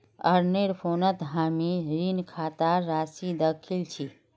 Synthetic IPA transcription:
ə̰ɾneɽpʰoːnət̪ɦaːmiɾinkʰaːt̪aɾaːsid̪əkʰilt͡ʃʰi

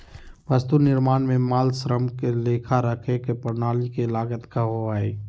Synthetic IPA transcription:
ʋəst̪unɪɾmaːnmẽmaːlsɾəmkeleːkʰaɾəkʰekepəɾnaːlikelaːɡət̪kaɦoaːeː

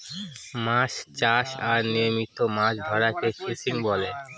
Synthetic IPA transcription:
maʃt͡ɕaʃaɾnimit̪ːomaʃd̪ʱɔɾakeʃisiŋbɔle

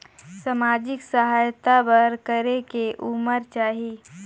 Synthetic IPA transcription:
samaːd͡ʒɪksəɦaːjt̪abəɾkəɾekeʔuməɾt͡ʃaːɦi

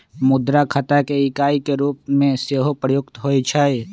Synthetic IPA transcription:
mʊd̪ɾakʰət̪akeɪkaːikeɾuːp̚mẽseɦopɾəjʊkt̪ɦoːit͡ʃʰəj

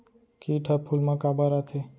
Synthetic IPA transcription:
kiʈʰapʰulmãkabaɾat̪ʰe

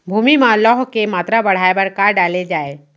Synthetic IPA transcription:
bʱuːmimãlɔːɦkemaːt̪ɾabɐɽ̤aːebɐɾkaːɾɖaːled͡ʒaːeː

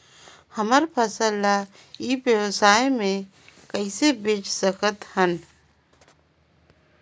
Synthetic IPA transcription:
həməɾpʰəsəlːa | ibjəwsaːjmẽ | kəɪsebit͡ʃsəkʰət̪hən

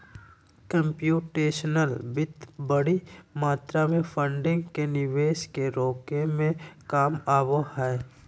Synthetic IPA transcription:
kə̃mpjuːʈeːʃnəlbɪt̪bəɽimaːt̪ɾamẽpʰə̃ɳɖɪ̃ŋɡkenɪʋeːʃkeɾoːkemẽkaːmaːbohɛː

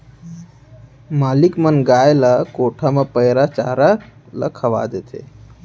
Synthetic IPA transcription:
maːlikmənɡaːjlakoːʈʰamãpəjɾat͡ʃa̰ːɾala̰kʰəʋa̰ːd̪et̪ʰḛ

